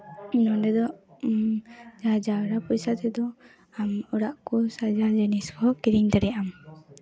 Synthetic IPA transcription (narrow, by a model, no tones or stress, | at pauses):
nɔnɖɛd̪ɔʔ | d͡ʒad͡ʒaɔɾapɔjsat̪ɛd̪ɔ | amɔɾaʔkɔsad͡ʒad͡ʒɛniskʰɔkiɾiŋd̪aɾɛjam